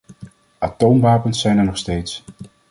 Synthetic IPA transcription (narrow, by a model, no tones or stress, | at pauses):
ʔaːtowmʋaːpənsɛjnɛɹnɔχstejts